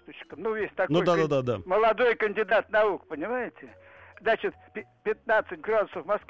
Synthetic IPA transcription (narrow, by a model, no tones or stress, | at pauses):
t̪ʊt͡ɕɪ̥kəmnujʲesʲt̪ɐknuojd̪ad̪ad̪ad̪aməlˠɐd̪o̞jkənʲdʲɪd̪at̪nɐukpənʲɪmajɪtʲɪ | zat͡ɕɪt̪pʲɪpʲɪt̪̚nat̪sɨtʲɡrad̪ʊsəfmɐsk